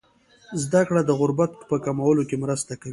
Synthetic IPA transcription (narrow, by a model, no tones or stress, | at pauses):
zd̪akɽad̪əɣʊɾbat̪̚pəkamawəlokemɾəst̪akawi